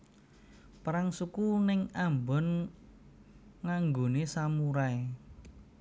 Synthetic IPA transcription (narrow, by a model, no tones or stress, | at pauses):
pɾaŋsukunɪŋambɔn | ŋaŋɡonesamuɾae